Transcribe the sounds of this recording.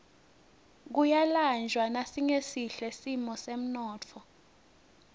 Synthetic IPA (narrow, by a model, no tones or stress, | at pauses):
k̬ujaland͡ʒʱwanasiŋesiɬɛsimɔsem̩nɔːt͡fʰɔ